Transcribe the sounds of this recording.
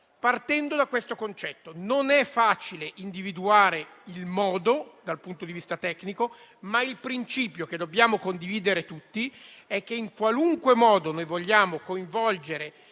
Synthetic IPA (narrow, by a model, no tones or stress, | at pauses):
part̪ɛnd̪od̪akwest̪okont͡ʃɛt̪ːononɛfːaːt͡ʃileʔind̪ivid̪uaːɾeilmɔːd̪od̪alpunt̪od̪ivist̪at̪ɛkːniko | mailpɾint͡ʃiːpjoked̪objaːmokond̪iviːd̪eɾet̪ut̪ːiɛk̟ːeiŋkwaluŋkwemɔːd̪onojvoʎːaːmokoiɱvɔld͡ʒeɾe